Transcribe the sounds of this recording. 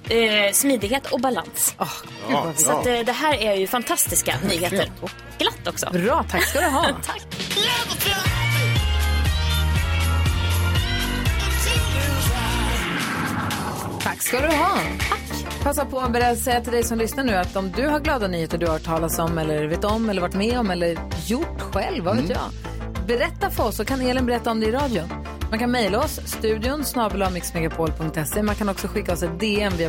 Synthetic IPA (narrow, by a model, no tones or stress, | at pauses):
smyːd̪ɪɡɦeːt̪ɔkbala̰nsɔh | sɔad̪ɛɦæːɾæɾjɵfant̪ʰast̪ɪska̰nyːheːt̪əɾ | ɡ̥lat̪ːɔksɔ̰bɾɑːt̪ʰakskad̪ɵɦɑːt̪ʰakʰː | t̪ʰakːskald̪ɵɦɑːt̪ʰakː | pʰasːapʰɔbɛɾɛsɛjːat̪ʰɪld̪ɛjsɔmlʏsnaɳʉ̟ːat̪ɔmd̪ɵɦaɾɡlɑːd̪anyːheːt̪əɖɵhaʈʰɑːlat̪sɔmɛlːəɾveːt̪ɔmːɛlːəɾvaʈːmɛɔmɛlːəɾjʊʈːɧɛlvːaveːt̪jɑ̰ː | bɛɾɛt̪ːafœɾɔsːɔkʰaneːlɪnbɛɾɛt̪ːaɔmd̪ɛɪɾɑːd̪jʊn | mankʰanmɛjlaɔsːt̪ʉ̟ːd̪ɪʊnsnɑːbʉlɑmɪksmɛɡapʰoːlpʰɵŋk̚t̪ɛsːemankʰanɔksɔɧɪkːaɔsɛt̪̚d̪eːɛmvɪ